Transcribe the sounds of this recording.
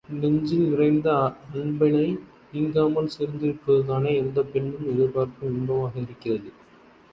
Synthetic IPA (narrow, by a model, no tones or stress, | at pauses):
nɛɲd͡ʒɪlʋɪrɐɪnd̪ɐɐɳbɐɳɐɪ | ɪŋɡaːmɐlseːɾnd̪ɪɾɯpːɯðɯðaːnɐɛnd̪ɐpɛɳːɯmɪðɯpaːɾkɯmʊɳbɐmaːɣɐɪɾɯkːɪrɐðɯ